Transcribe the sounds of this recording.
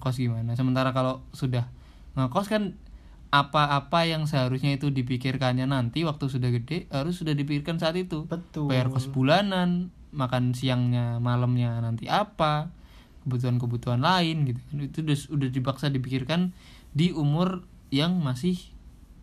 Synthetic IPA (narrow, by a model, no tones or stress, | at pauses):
kɔsɡimanasəmənt̪aɾakalosudah | ŋəkɔskan | apaːpajaŋs̬əɦaɾusɲait̪udip̬ikɪrkanɲanant̪iwak̚t̪usudahɡədɛhaɾʊs̬ːudahdip̬ikɪrkansaːt̪it̪ubət̪bajarkɔsbulanan | makansiaŋɲamaləmɲanant̪iʔapa | kəbut̪̬uankəbut̪uɦanlaɪnɡit̪ukanit̪udasudahdipaksadipikɪrkan | diumʊr | jaŋmasɪh